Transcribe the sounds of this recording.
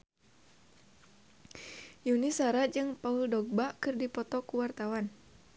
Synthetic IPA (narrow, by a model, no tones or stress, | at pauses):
junisaɾad͡ʒɨŋpauldɔɡ̚bakɨrdipɔt̪ɔkuwart̪awan